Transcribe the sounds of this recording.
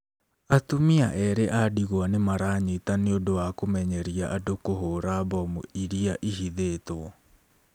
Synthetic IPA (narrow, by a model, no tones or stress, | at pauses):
atumiaʔɛɾeʔadiɣwanemaɾaɲetaneodowakomɛɲɛɾiaʔadokoɦoːɾaβɔmṵiɾiaʔihiðeːto